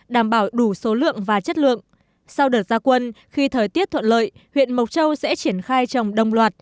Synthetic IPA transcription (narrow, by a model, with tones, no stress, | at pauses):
ɗaː˧˩mɓaː˧˩wɗu˧˩so˨˦lɨ̰˧˨əŋvaː˨˩t͡ɕə˦˥t̚lɨ̰˧˨əŋ | sa˧wɗəː˨˩t̚zaː˧kwə˧n | xi˧t̪ʰəː˨˩jt̪i˦˥ət̪ʰwə̰˧˨nlə̰ː˧˨jhwḭ˧˨ənmə˨˩w̚t͡ɕə˧wsɛ̰˧˥t͡ɕi˧˩ənxaː˧jt͡ɕə˨˩wŋ͡mɗə˧wŋ͡mlwaː˨˩t̚